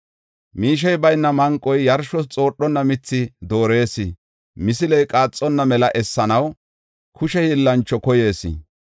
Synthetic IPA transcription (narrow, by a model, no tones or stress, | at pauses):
miːʃ̬ɛjbɐjnːɐmɐŋkʼːɔjjɐɾʃɔt͡sʼo̞ːɗːɔnːɐmɪt͡sːɪd̪o̞ːɾe̞ːsɪ | mɪsɪlɛjkʼaːt͡sʼːɔnːɐmɛlɐʔɛsːɐnɐw | kʰʊʃɛɪlːɐnt͡ʃːɔkɔje̞ːsɪ̰